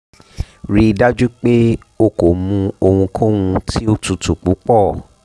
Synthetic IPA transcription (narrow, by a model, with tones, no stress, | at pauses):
ɾi˧da˦d͡ʒu˦k͡pe˦ | o˧ko˨mũ˧o˧hũ˧kʰɔ̃˦wũ˧tʰi˦o˧tũ˨tu˨k͡pu˨˦k͡pɔ˦˨